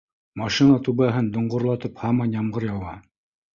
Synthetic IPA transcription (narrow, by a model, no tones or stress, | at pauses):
mɑʃinat̪ʉβæɦɘnd̪ŏɴʁŏɾlˠɑt̪ɤphɑmɑnjɑmɢɤɾjɑwɑ